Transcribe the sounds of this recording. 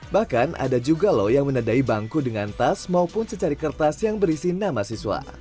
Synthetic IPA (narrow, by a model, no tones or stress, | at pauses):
bahkanʔa̰dad͡ʒuɡalɔjaŋmənadaibaŋkudəŋant̪asmaupʊnsət͡ʃaɾikərt̪asjaŋbəɾisinamasiswa̰